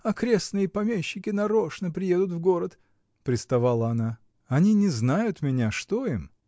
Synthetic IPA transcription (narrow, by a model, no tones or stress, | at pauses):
ɐkɾʲe̞snɨjəpɐmʲeɕːɪkʲɪnɐɾoʂnəpɾʲɪje̞d̪ʊt̪vɡo̞ɾət̪ | pɾʲɪst̪ɐvalˠəɐna | ɐnʲinʲɪznajʊt̪mʲɪnʲaʂt̪oim